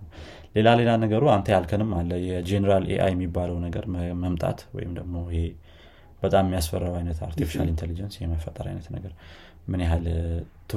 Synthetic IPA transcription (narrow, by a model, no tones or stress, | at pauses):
le̞lale̞lanəɡəɾuant̪ʰəjalkʰənɨmːalːəjɛd͡ʒenəɾalʔḛʔa̰jɛmːibːaləwnəɡəɾməmt̪ʼa̰t̪wɔ̰jɪmd̪əɡmo̞ɪhe̞ | b̥ət̪ʼammːijasfərːawajnət̪a̰ɾt̪ʰifi̥ʃa̰lint̪ʰelid͡ʒənsjheməfːət̪ʼːəɾa̰jnət̪nəɡəɾ | mɨneɦalt̪ʰɨ